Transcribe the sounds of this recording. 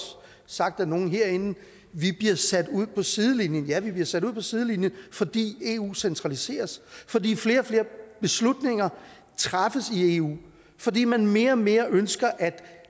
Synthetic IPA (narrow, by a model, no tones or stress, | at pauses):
sɑ̈ɡ̥̚d̥æno̝ːn̩ɦe̝ɐ̰e̝nn̩ | ʋib̥liɐsæd̥uð̞̰ˠpʰɒ̽siðˠlinjənjæʋib̥liɐsæɾ̥uð̰ˠpʰɒ̽sið̞ˠəlinjənfɒ̽d̥ḭːe̝ṵːsent͡sʰʁɑ̈lise̝̰ːɐsfɒ̽dḭːfle̝ːɐɒ̽fle̝ːɐb̥e̝slud̥ne̝ŋɐ | t͡sʰʁɑfəsie̝ṵː | fɒ̽dḭːmænme̝ːɐme̝ːɐʔønsɡ̥ɐʔæd̥